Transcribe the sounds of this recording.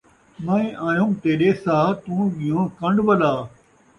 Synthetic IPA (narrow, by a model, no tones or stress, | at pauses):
mɐ̃ĩːʔaːjũːmt̪eːɗeːsaːt̪ũːɠɪjõːkɐ̃ɳɖʋəlaː